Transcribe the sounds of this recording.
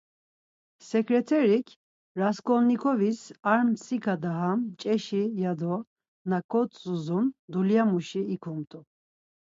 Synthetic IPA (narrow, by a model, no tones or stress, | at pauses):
sɛkɾɛt̪ʰɛɾikʰ | ɾaskʼɔnːikʰɔvisaɾmsikʰad̪aɦamt͡ʃʼɛʃijad̪ɔ | nakʰʼɔt̪t͡sʼuzund̪uljamuʃiːkʰumt̪ʼu